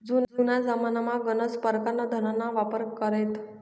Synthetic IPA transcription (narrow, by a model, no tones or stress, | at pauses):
d͡zund͡zunad͡zamanamaɡənət͡spəɾkanːad̪ʱəɾənaʋapəɾkəɾet̪